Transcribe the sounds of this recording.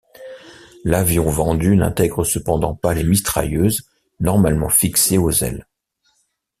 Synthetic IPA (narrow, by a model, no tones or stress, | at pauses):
lavjɔ̃vɑ̃d̪ynɛ̰̃t̪ɛɡʁəsəpɑ̃d̪ɑ̃palemist̪χa̰jøz | nɔʁmalmɑ̰̃fikseozɛ̰l